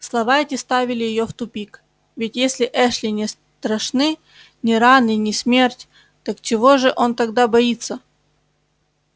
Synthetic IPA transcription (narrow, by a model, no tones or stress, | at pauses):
slˠɐvaɛtʲɪst̪avʲɪlʲɪjɪjoft̪ʊpʲik | vʲɪtʲjesʲlʲɪʔɛʂlʲɪnʲɪs | t̪ɾɐʂnɨ | nʲɪɾanɨnʲɪsʲmʲe̞rtʲ | t̪akt͡ɕɪvo̞ʐɨʔo̞nt̪ɐɡd̪abɐit̪sːə